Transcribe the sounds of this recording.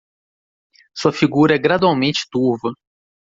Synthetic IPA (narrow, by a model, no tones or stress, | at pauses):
suɐfiɡuɾɐɛɡɾad̪uawmẽnt͡ʃɪ̥t̪uɾvɐ